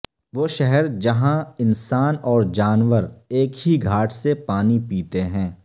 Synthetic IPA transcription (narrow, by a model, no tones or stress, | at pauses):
ʋoːʃɛɦɛɾd͡ʒɐɦãɪnsaːnɔːɾd͡ʒaːnʋəɾeːkɦiɡʱaːʈʰsepaːnipiːt̪eɦɛ̃ː